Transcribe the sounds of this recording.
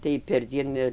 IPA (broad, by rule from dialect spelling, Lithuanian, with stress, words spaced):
tɐɪ pʲɛrʲˈd͡zʲiɛn ɪr